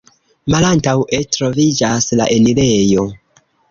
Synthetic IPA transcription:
malantawetɾo̞vid͡ʒasla̰ʔe̞niɾejo

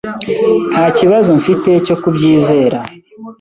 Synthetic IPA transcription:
haciβazoɱ̩fite̞co̞kubɟiːze̞ːɾa

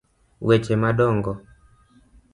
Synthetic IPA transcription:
wʔet͡ʃemadɔŋɡɔ

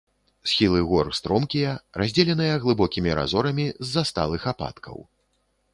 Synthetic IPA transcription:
sxʲilˠɨɣɔrst̪ɾɔmkʲijɐrazʲd͡zʲɛlʲɛnɨjɐɣlˠɨbɔkʲimʲiɾa̰zɔɾɐmʲizːast̪alˠɨxapa̰t̪kʰɐ̰w

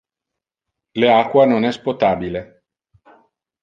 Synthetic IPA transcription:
leakːwanonɛspot̪aːbile

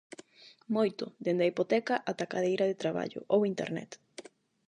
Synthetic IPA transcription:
mojt̪od̪end̪aipot̪ɛkaʔat̪akaðejɾaðet̪ɾaβa̰ʎo̰ʔowint̪ḛɾnɛ̰t̪

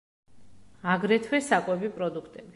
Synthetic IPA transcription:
aɡɾɛt̪ʰwɛsakʼwɛbipʼɾɔd̪ukʰt̪ʼɛbi

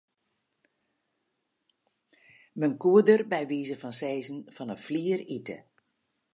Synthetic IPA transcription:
mənkuədərbɛjʋiːzəfɑnsɛjzənfɔnəfliːəritə̰

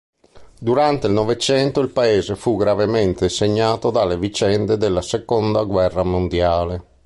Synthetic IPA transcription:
d̪uɾant̪eilnɔvet͡ʃɛnt̪oilpaeːzefuɡɾavement̪eseɲːaːt̪od̪alːevit͡ʃɛnd̪ed̪elːasekond̪aɡwɛrːamond̪jaːle

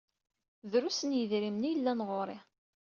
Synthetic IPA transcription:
ðɾusənjəðɾimnijəlːænʁoɾˤɪ

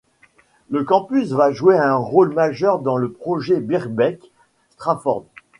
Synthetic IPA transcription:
ləkɑ̃pysvaʒueɛ̃ʁolmaʒœʁd̪ɑ̃ləpχɔʒebiʁbɛk | st̪χafɔ̰ʁd̪

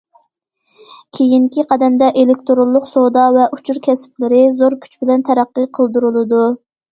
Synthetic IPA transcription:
kʲʰejiŋkʲʰiqʰɑd̪ɛnd̪ɛʔelɪk̚ʲt̪ʰoɾolˠːʊqsod̪ɑvɛʔut͡ʃʰuɾkʲʰɛsɪ̥plɪɾɪzoɾkʲʰy̥t͡ʃbɪlɛnt̪ʰæɾæqːɨqʰəlˠd̪uɾɨlˠɨd̪u

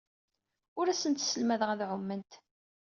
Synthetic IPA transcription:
ʊɾæsənt̪səlmæðəʁæðʕʊmːənt̪

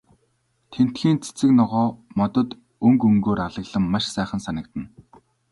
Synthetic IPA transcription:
t̪ʰen̥t̪xiːnt͡sʰe̥t͡sɘ̆knɔʁɔːmɔt̪ɞ̆t̪ | ɵŋkɵŋɡoːɾaɮə̆ɣɮə̆mːaʃsæːχə̆nsanə̆kt̪ə̆n

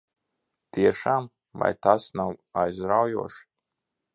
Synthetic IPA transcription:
t̪iɛʃaːm | va̰jt̪asnawajzɾawjuɔʃ

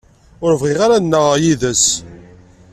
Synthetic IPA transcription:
ʊɾəvʁɪʁaɾanːəʁajiðəs

